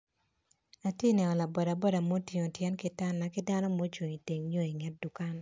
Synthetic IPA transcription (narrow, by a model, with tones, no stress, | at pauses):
a˨tje˦nɛ˨ɔ˨la˨bɔ˨da˨bɔ˦da˨mo˦ti˨ŋo˨tjɛ˦nki˦ta˦nːa˨ki˦da˦nɔ˦mo˦t͡ʃo˨ɲi˨te˨ŋɲo˦i˨ŋɛ˦t̚du˨ka˦n